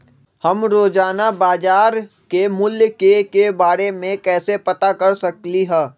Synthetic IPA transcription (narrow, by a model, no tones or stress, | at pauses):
hɐmɾoːd͡ʒaːnabaːd͡ʒaːɾ | kemʊljkekebaːɾemẽkɛːsepɐt̪akɐɾsɐkliɦɛ̃ː